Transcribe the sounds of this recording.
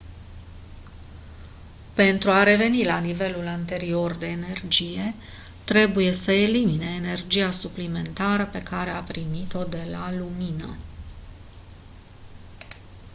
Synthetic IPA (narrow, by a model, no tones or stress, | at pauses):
pe̞nt̪ɾuaɾe̞ve̞nilanive̞lulant̪e̞ɾio̞rd̪e̞ːne̞rd͡ʒije̞ | t̪ɾe̞buje̞səe̞limine̞ːne̞rd͡ʒiasuplime̞nt̪aɾəpe̞kaɾe̞apɾimit̪o̞d̪e̞laluminə